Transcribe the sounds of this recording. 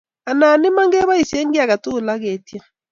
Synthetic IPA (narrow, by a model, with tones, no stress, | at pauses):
a˨na˨nɪ˦ma˦ŋɡɛ˦βa˦i˨si˨ɛ˦ŋɡi˦a˨ka˨tu˦˨la˦ɣe˨tja˦